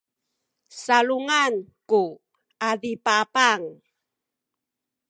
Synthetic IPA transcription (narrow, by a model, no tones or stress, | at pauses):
saɭuŋanku | adipapaŋ